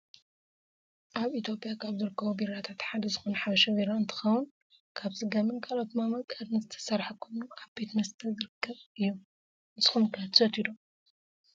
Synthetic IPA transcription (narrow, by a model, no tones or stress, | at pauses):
ʔaβit̪ʰjo̞pʼɪjakʰaβzɨɾɨkːɐβubiɾat̪ʰat̪ħad̪ɐzɨxonɐħabɐʃɐβiɾaɨnt̪ʰɨ̥xɐwʊn | kʰaβsɨɡamɨnkʰalot̪mamɐkʼad̪nɨzɨt̪ʰɐ̥sɐɾħakʰomukʰaβbe̞t̪mɐst̪ʰɐzɨɾɨkʰːɐβɨjːu | ɨzɨxumkʰɐt̪ʰɨ̥sɐt̪ʰid̪o